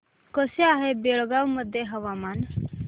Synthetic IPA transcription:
koseaːɦebeːɭɡawməd̪ʱjeɦəʋaːmaːn

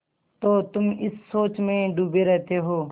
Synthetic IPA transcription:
t̪oːt̪ʊmɪsːoːt͡ʃmẽːɖuːbeɾɛɦt̪eɦoː

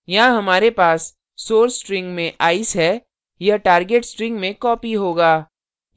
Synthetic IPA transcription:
jɐɦãɦɐmaːɾepaːsː | oːɾsʈɾɪ̃ŋɡmẽʔaːɪsɦɛː | jɐʈaːɾɡeʈsʈɾɪ̃ŋɡmẽkɔːpiɦoːɡaː

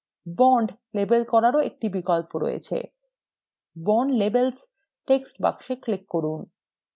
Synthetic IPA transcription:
bɔɳɖ | lebelkɔɾaɾoek̚ʈibikɔlpoɾo̰jḛt͡ɕʰḛ | bɔɳɖlebels | ʈeksʈba̰kʃeklekːoɾun

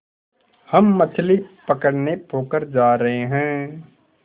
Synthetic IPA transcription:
hɐmːɐt̪ʰlipɐkəɽnepʰoːkəɾd͡ʒaːɾɐɦeɦɛ̃ː

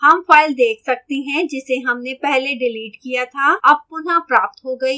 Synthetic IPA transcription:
hɐmfaːɪld̪eːkʰsɐk̚t̪iɦɛ̃d͡ʒɪseɦɐmnepɛɦleɖɪliːʈkijat̪ʰaɐb̚pʊnapɾaːp̚t̪ɦoɡɐi

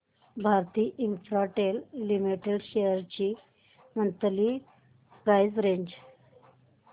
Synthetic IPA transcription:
bʱaɾt̪iːʔinfɾaʈelːimiʈeɖɕejəɾt͡ɕi | mənt̪əliː | pɾajd͡zɾeɲd͡ʑ

